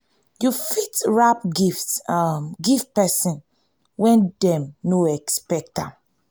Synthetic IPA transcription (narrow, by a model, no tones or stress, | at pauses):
jufitɹapɡift | ɡift̚pɛsĩn | wɛ̃ndɛ̃mnoɛkspɛk̚tã